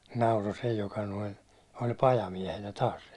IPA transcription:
nɑuro se jokɑ noin̞ olʲ pɑjɑmiɛhenæ tɑːs

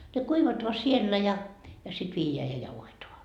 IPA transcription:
ne kuiʋɑtoɑ sielːæ jɑ jɑ sit ʋiːjeæ jɑ jɑuhetoɑ

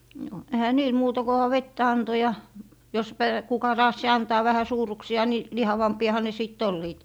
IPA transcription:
no ehæ niːl muːtɑ kohɑ ʋetːæ ɑnto jɑ jos pæ kukɑ rɑːsːi ɑntɑː ʋæhæ suːrˑuksiɑ ni lihɑʋɑmpiɑhɑ ne sit olːiːt

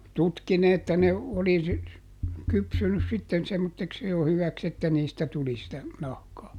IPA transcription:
tutki ne etːæ ne oli sy kypsynys sitːen semːotːeks jo hyʋæks etːæ niːstæ tuli sitæ nɑhkɑː

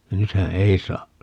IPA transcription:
nythæ ei sɑː

